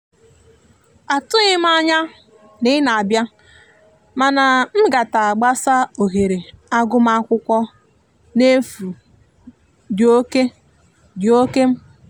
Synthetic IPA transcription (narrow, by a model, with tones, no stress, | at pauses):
a˨tʊ˦ɲɪ˦m̩˦a˦ɲa˦ | nɪ˦na˨a˨bja˦ | ma˨na˨m̩˦ɡa˨ta˨a˨ɡ͡ba˦sa˦o˨ɦe˨ɾe˨a˦ɡʊ˦m̩˦a˦kʷʊ˦kʷɔ˦ | ne˦fu˨ | djo˦ke˦ | djo˦ke˦m̩˦